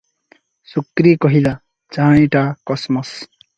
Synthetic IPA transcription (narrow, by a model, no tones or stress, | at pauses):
sukɾikʌɦid̪a | d͡zaĩʈakʌsmʌs